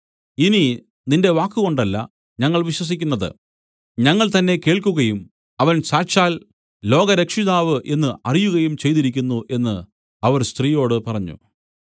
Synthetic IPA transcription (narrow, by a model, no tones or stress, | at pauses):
ini | ninde̞ʋaːkːɨɣo̞ɳɖɐlːɐ̰ | ɲɐŋːɐɭʋiɕwɐs̬ikʲːunːɐðɨ̰ | ɲɐŋːɐɭt̪ɐnːe̞ke̞ːɭkuɣɐjum | ɐʋɐnsaːɕaːl | lo̞ːɣɐɾe̞kʂiðaːʋɨʔe̞nːɨʔɐrijuɣɐjumt͡ɕe̞jt̪iɾikʲːunːuʔe̞nːɨ | ɐʋɐrst̪riːjo̞ːɽɨpɐrɐɲːṵ